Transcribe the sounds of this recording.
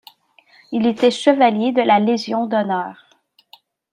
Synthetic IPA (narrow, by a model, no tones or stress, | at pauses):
ilet̪ɛʃəvaljed̪əlaleʒjɔ̃d̪ɔnœːʁ